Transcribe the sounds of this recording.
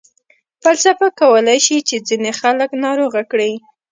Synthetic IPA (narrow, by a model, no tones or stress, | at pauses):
pəlsapakawəlajʃit͡ʃed͡zinexaləknɑɾoɣakɽi